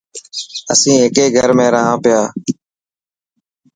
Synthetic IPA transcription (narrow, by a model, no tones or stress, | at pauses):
əsĩːekeːɡʱəɾmẽːɾaːɦãːpɪjaː